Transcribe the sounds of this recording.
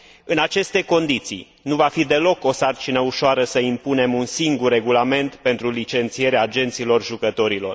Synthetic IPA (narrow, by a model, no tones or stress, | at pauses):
ɨnat͡ʃe̞st̪e̞ko̞nd̪it̪sḭ | nuvafid̪e̞lo̞ko̞sart͡ʃinəuʃoaɾəsəimpune̞munsiŋɡurːe̞ɡulame̞nt̪pe̞nt̪ɾulit͡ʃe̞nt̪sije̞ɾeaːd͡ʒe̞nt̪silo̞rʒukət̪o̞ɾilo̞̰r